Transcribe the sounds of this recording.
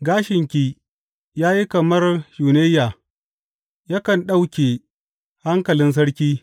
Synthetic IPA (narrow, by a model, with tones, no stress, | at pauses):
ɡaː˦ʃɪ˨ŋkʲiː˦ | jaː˦ji˦kɐ˨mɐ˦rjuː˨ne˦jːaː˨ | ja˦kɐ˨nɗa˦wkʲeː˨ | ha˦ŋkɐ˨lɪ˦ns̬ɐ˦ɽkʲiː˦